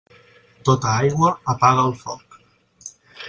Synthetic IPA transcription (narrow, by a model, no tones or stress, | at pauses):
t̪ot̪əajɣwəːpaɣəːlˠfɔk